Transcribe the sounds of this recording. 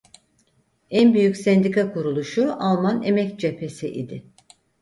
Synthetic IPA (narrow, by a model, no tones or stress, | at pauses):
ænbyjycsɛnd̪ikʰakʰuɾulˠuʃualˠmanemɛcd͡ʒe̞pʰe̞siʔḭd̪ɪ